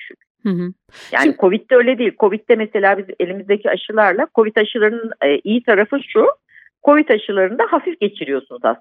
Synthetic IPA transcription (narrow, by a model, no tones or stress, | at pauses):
yʃykyɦ | ja̰ːnikʰo̞vit̪̚ːɛø̞jlʲed̪iːlʲkʰo̞vit̪̚ːɛmɛse̞lʲaːbize̞lʲimizd̪ecʰiaʃɯlˠaɾlˠakʰo̞vit̪aʃɯlˠaɾɯnɯnːʔijit̪ʰaɾafɯʃu | kʰo̞vit̪aʃɯlˠaɾɯnd̪aɦafifɟ̥e̞t͡ʃʰiɾijo̞sunuza̰s